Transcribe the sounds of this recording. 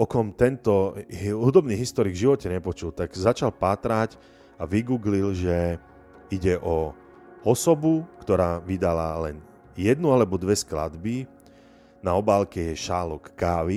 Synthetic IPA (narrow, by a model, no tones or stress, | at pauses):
ɔkɔmt̪ɛnt̪ɔɦud̪ɔbniːɣɦist̪ɔɾiɡvʒiʋɔcɛɲɛpɔt͡ʃult̪aɡzat͡ʃalpaːt̪ɾaɟ | aʋiɡuːɡlilʒɛ | iɟɛʔɔ | ɔsɔbukt̪ɔɾaːʋid̪alalɛn | jɛd̪nualɛbɔd̪ʋɛskla̰d̪bi | naɔbaːlkɛjɛʃalɔkːaːʋi